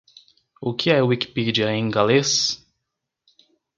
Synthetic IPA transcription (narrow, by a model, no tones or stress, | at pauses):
ʊkɪɛʊwiki̥pid͡ʒiɐẽj̃ɡales